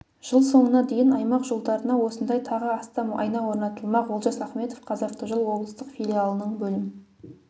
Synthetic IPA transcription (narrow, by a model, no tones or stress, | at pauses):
ʒ̥əlˠso̞ɴənɑd̪e̞jɪnɑjmɑqʒolˠd̪ɑɾənɑwo̞sənd̪ɑjt̪ʰɑʁəɑst̪ɑmɑ̰jnɑwo̞ɾnɑt̪əlˠmɑqwo̞lˠʒɑsɑχme̞t̪ofqʰɑzɑt̪əʒəlˠwo̞blˠəst̪əqfilʲialˠənəɴbɵlɪmɪ